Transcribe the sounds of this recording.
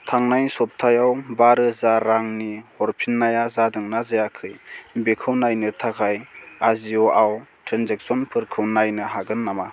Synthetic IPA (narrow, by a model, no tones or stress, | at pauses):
tʰaŋnajsɔp̚tʰajawbaɾɯzaɾaŋnihɔɾpʰinːajazadɯŋnazajakʰɯjbekʰɯwnajnɯtʰakʰajaziɔawtʰɾanzɛk̚sɔnpʰɯɾkʰɯwnajnɯɦaɡɯnːama